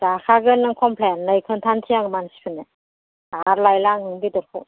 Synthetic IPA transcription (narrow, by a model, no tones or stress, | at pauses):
zakʰaɡɯnːɯŋkʰɔmpʰlenlɯjkʰɯntʰantʰijaŋmansi̥pʰɯne | aɾlajlaŋɯŋbidɯɾkʰṵ